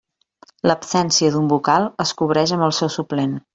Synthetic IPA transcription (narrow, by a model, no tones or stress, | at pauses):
ləpsɛnsiəðumbukalˠəskuβ̞ɾɛʃəmbəlˠsɛwsuplen